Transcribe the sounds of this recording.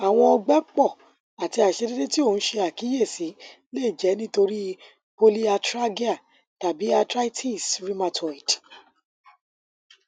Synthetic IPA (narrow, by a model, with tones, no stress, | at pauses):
a˨w̃ɔ̃˧ɔ˧ɡ͡bɛ˦k͡pɔ˦˨ | a˨ti˧a˨ʃe˨˧de˦de˦ti˦o˦˨ñ̩˨˦ʃe˧a˨ki˨˦je˦˨si˨˦ | leː˦˨d͡ʒɛ˨˦nĩ˦to˧ɾi˦ | po˦li˦a˧tɾa˦ɡi˦a˦˨ | ta˨bi˨˦a˧tɾa˦i˦tʰi˦˨sɾi˦ma˧tɔ˨i˨t